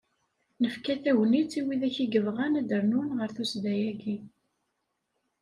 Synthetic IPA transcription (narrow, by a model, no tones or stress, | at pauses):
nəfkæθæwnit͡sːiwiðæçiɡəvʁænæd̪əɾnunʁəɾθusd̪æjæɡi